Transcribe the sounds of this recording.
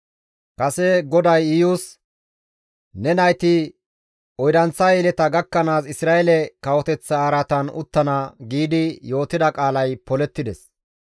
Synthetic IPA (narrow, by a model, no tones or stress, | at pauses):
kɐsɛɡɔd̪ɐjɪjus | nɛnɐjt̪ɪ | ɔjd̪ɐnt͡sːaelɛt̪ɐɡɐkːɐnaːsɪsɾaːelɛkɐwɔt̪ɛt͡sːɐːɾɐt̪ɐnʊ̰t̪ːɐnɐɡiːd̪ɪjo̞ːt̪ɪd̪ɐkʼaːlɐjpɔlɛt̪ːɪd̪ɛs